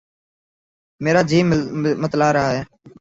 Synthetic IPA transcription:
meːɾaːd͡ʒiːmmət̪laːɾəɦaːɦɛː

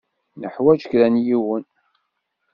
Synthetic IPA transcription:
nəħwæd͡ʒəkɾænjiwən

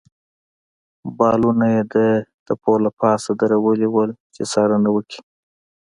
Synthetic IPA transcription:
bɑlunajed̪əd̪̥əpolapɑsad̪əɾawəliwəlt͡ʃesɑɾənawəkʰi̥

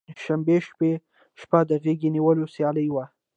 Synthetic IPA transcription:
ʃambeʃpe | ʃpad̪əɣeɡeniwəlosjɑləjwa

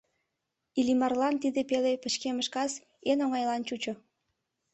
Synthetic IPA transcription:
ilʲimɑrlɑnt̪id̪epelepə̆t͡ɕkeməʃkɑs | enoŋɑjlɑnt͡ɕut͡ɕo

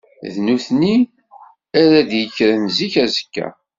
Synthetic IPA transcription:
ðnuθni | æɾæd̪jəçɾənziçæzə̥kːæ̰

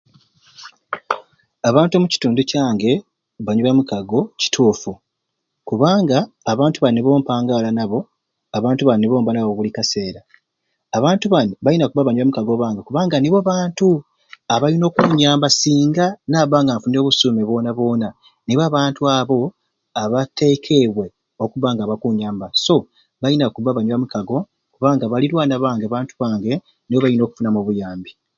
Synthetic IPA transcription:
aβaːntomuci̥tuːnducaːŋɡe̞ | βaɲuβamukaɡo̞ci̥tʰuːfu | kuβaːŋɡaː | βaːntuβanːeβo̞ːmpaːŋɡaːlanaβo̞ | aβaːntuβanːeβo̞ːmbanaβoβulikase̞ːɾaː | βaːntuβanβajinakuβaβaɲuβamukaɡo̞βaːŋɡekuβaːŋɡaniβoaβaːntu | aβajino̞ːkuːɲaːmbasiːŋɡanaːβaːŋɡaːɱfuneβusume̞βo̞ːnaβo̞ːna | niβoaːβaːntuaβo̞ | aβate̞kʰe̞βwe̞ | o̞kuβaːŋɡaːβakuɲaːmbaso̞ | βajinakuβaβaɲuβamukaɡo̞ | kuβaːŋɡaβaliɾwaːnaβaːŋɡeaβaːntuβaːŋɡe̞ | niβo̞βajino̞ku̥funamoβujaːmbi

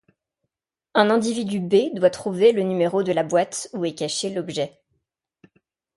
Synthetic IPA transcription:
ɛ̃nɛ̃d̪ivid̪ybed̪wat̪χuvelənymeʁod̪əlabwat̪uɛkaʃelɔbʒɛ

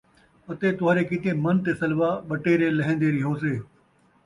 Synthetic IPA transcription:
ət̪eːt̪ʊɦaːɾeːkɪt̪eːmənt̪eːsɐlʋaːɓɐʈeːɾeːlɐɦẽːnd̪eːɾɪɦoːs̬eː

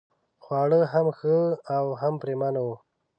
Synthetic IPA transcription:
xwɑːɽəɦamxəawɦampɾemanaw

